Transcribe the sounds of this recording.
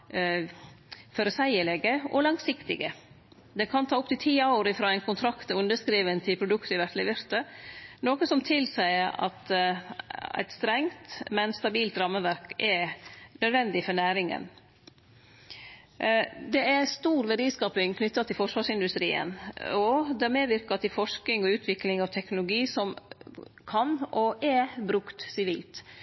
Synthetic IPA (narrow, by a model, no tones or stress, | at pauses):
fɔɾəsæɪəɭɛɡəɔ̰lɑŋsɪkt̪ɪɡə | d̪ɛkʰɑnt̪ʰɑːʊpt̪ɪlt̪ʰiːɑʊɾɪfɾɑːɛɪnkʰʊnt̪ʰɾɑkt̪əʉnd̪əskɾiːʋənt̪ʰɪlpʰɾʊd̪ʉkt̪əɪʋæt̪lɪʋʏɾt̪ənoːkəsɔmt̪ʰɪlsæɪəɾɑ̰t̪ | æ̰ɪt̪st̪ɾɛŋt̪mɛnst̪ɑbiːlt̪ɾɑmːəʋæɾkɛɾnœd̪ʋɛnd̪ɪfɔɾɳæːɾɪŋə̰n | d̪ɛæɾst̪uːɾʋɛɾiːskɑːpɪŋkʰnʏt̪ːɑt̪ʰɪlfɔʂʋɑːʂɪnd̪ʉst̪ɾḭːə̰nɔd̪ɛæɾmeːʋɪɾkɑt̪ʰɪlfɔʂk̪ɪŋɔʉːt̪ʰʋɪklɪŋɑʋt̪ʰɛknʊlʊɡiːsɔm | kʰɑnɔʔɛbɾʉkt̪sɪʋiːlt̪